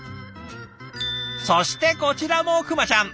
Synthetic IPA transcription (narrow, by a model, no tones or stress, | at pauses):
soɕi̥t̪e̞ko̞t͡ɕiɾamokɯ̟mat͡ɕãŋ